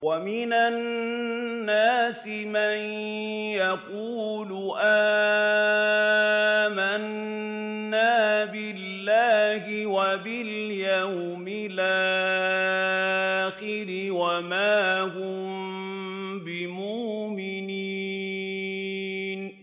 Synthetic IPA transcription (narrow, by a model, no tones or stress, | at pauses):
wamɪnanː | aːsɪman | jaquːlʊʔaː | manː | aːbɪlːaːɦɪwabɪljawmɪlʔaː | xɪɾɪwamaːhʊm | bɪmʊʔmɪni | n